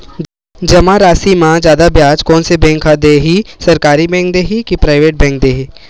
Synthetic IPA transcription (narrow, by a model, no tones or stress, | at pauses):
d͡ʒɐmãɾaːsimãzjaːd̪abjaːd͡ʒkɔːnsebɛ̃ːŋkʰad̪eːɦisɐɾkaːɾibɛ̃ːŋk̚d̪eːɦikipɾaːɪʋeːʈ̚bɛ̃ːŋk̚d̪eːɦi